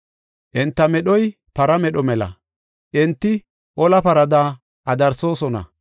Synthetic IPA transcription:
ʔɪnt̪ːɐmɛɗɔj | pɐɾɐmɛɗɔmɛlɐ̰ | ʔɪnt̪ːɪ | ʔɔlɐpɐɾɐd̪a | ʔɐd̪ɐɾso̞ːsɔnɐ̰

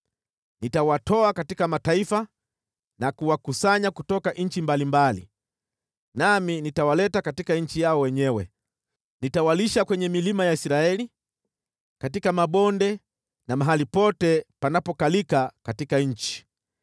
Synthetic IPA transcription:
nitawatɔakatikamataifa | nakuwakusaɲakutɔkaʔɲ̩t͡ʃimbalimbalḭ | naminitawalɛtakatikaɲ̩t͡ʃijaɔwɛɲɛwɛ̰ | nitawaliʃakwɛɲɛmilimajaisɾaɛli | katikamaɓɔndɛ | namaɦalipɔtɛpanapɔkalikakatikaɲ̩t͡ʃi̥

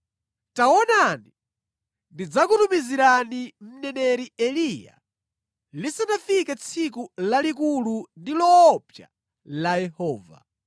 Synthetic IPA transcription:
tawɔnani | ndid͡zakutumiziɾanim̩nɛnɛɾiɛlija̰ | lisanafikat͡sʰikulalikulundilɔːpja̰ | lajɛhɔːva̰

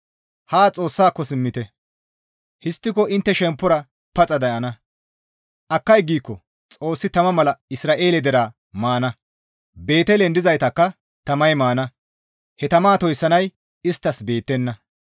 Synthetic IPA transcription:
haːt͡sʼo̞ːsːaːkːɔsɪmːɪt̪ɛ | hɪst̪ːɪkɔʔɪnt̪ːɛʃɛmpːʊɾɐ | pɐt͡sʼɐd̪ɐʔɐnɐ | ʔɐkːɐjɡiːkːɔ | t͡sʼo̞ːsːɪt̪ɐmɐmɐlɐɪsɾaːʔe̞ːlɛd̪ɛɾaː | maːnɐ | be̞ːt̪ɛlɛnd̪ɪzɐjt̪ɐkːɐ | t̪ɐmɐjmaːnɐ | hɛt̪ɐmaːt̪ɔjsːɐnɐj | ɪst̪ːɐsbe̞ːt̪ːɛnːɐ

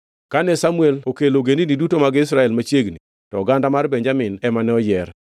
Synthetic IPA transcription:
kanɛsamuelokeloɡeninidutomaɡɪɪs̬ɾaɛlmat͡ʃjeɡni | tɔɡandamarbɛɲd͡ʒamɪnɛmanɛɔjɛr

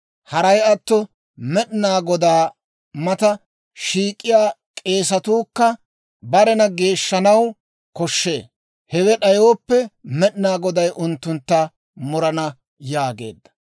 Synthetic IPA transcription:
hɐɾɐjɐt̪ːɔ | mɛɗnaːɡɔd̪aː | mɐt̪ɐ | ʃiːkʼːɪjaːkʼe̞ːs̬ɐt̪uːkːɐ | bɐɾɛnɐɡe̞ːʃːɐnɐw | kɔʃːe̞̰ː | hɛwɛɗɐjoːpːɛmɛɗnaːɡɔd̪ɐjʔʊnt̪ːʊnt̪ːɐ | mʊɾɐnɐ | jaːɡe̞̰ːd̪ːɐ̥

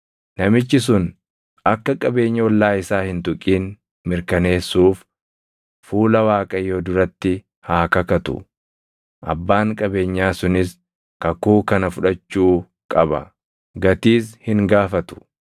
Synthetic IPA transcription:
nɐmɪt͡ʃːɪs̬ʊn | ɐkːɐkʼɐbe̞ːɲːɐwɔlːaːɪsaːhɪnt̪ʊkʼiːn | mɪɾkɐne̞ːsːuːf | fuːlɐwaːkʼɐjoːd̪ʊɾɐt̪ːɪ | haːkɐkɐt̪ʊ̰ | ʔɐ̰bːaːŋkʼɐbe̞ːɲːaːsʊnɪs | kɐkuːkɐnɐfʊᶑɐt͡ʃːuː | kʼɐbɐ̰ | ɡɐt̪iːshɪŋɡaːfɐt̪ʊ̥

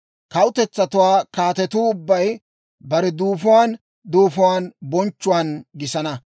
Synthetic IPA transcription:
kɐwʊt̪ɛt͡sːɐt̪ʊwaːkaːt̪ɛt̪uːʊbːɐj | bɐɾɛd̪uːfʊwaːn | d̪uːfʊwaːnbɔnt͡ʃːʊwaːnɡɪsɐnɐ

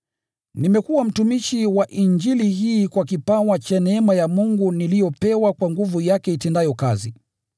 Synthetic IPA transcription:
nimɛkuwam̩tumiʃiwaʔiɲd͡ʒiliɦiːkwakipawat͡ʃanɛɛmajamuŋɡunilijɔpɛwakwaŋɡuvujakɛitɛndajɔka̰zi

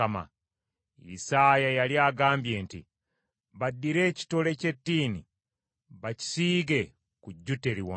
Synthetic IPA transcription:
ama̰ | ḭsajajaljaːɡaːmbje̞ːntḭ | βadːiɾe̞ːci̥to̞le̞ce̞tːiːni | βaci̥siːɡe̞ | kuɟːute̞ɾiwa

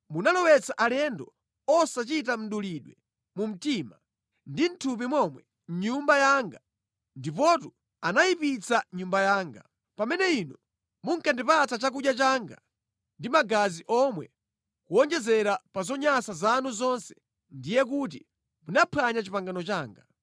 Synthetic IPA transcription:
munalɔwɛt͡saʔalɛndɔ | ɔsat͡ʃitam̩ɗuliɗwɛ | mum̩tima | ndin̩tʰup̬imwɔmwɛ | ɲumbajaːŋɡa | ndip̬ɔtu | anajipit͡saɲumbajaːŋɡa | pamɛnɛinɔ | muŋkʰandipatat͡ʃak̬uʄjat͡ʃaːŋɡa̰ | ndimaɡaziʔɔmwɛ | kuɔnd͡ʒɛzɛɾapazɔɲasazanuzɔnsɛ̥ | ndijɛk̬ut̬ḭ | munapʰaɲat͡ʃipaŋɡanɔt͡ʃaːŋɡa

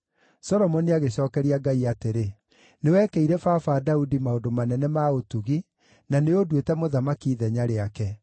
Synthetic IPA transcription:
sɔɾɔmɔniaɣeɕ̬ɔːkɛɾiaɡaiateɾe | newɛkɛiɾɛfafadaudimaondomanɛnɛmaotuɣi | naneodwetɛmoðamakiːðɛɲaɾeakɛ

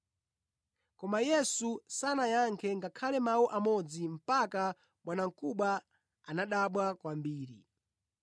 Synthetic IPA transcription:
kɔmajɛsusanajaŋkʰɛŋɡakʰalɛmawuʔamɔd͡zim̩paka | ɓwanaŋ̩kuɓa | anaɗaɓwakwambiːɾi

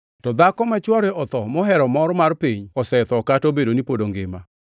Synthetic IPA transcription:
tɔd̪akɔmɛt͡ʃwɔɾɛɔt̪ɔmɔɦɛɾɔmɔɾmarpiɲɔsɛt̪ɔkatobedonipodoŋɡema

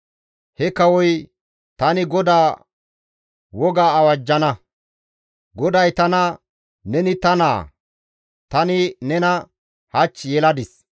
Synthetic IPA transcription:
hɛkɐwɔj | t̪ɐnɪɡɔd̪aː | wɔɡaːwɐd͡ʒːɐnɐ | ɡɔd̪ɐjt̪ɐnɐ | nɛnɪt̪ɐnaː | t̪ɐnɪnɛnɐ | hɐt͡ʃːjɛlɐd̪ɪs

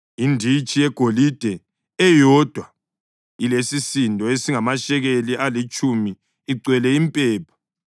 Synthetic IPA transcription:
indʱit͡ʃʼijɛɡ̥ʱolid̥ʱɛ | ɛjɔd̥ʱwa | ilesisindʱʼɔesiŋamaʃɛɣelialit͡ʃʼumiː | ǀwɛlɛimpʼɛːpʰḁ

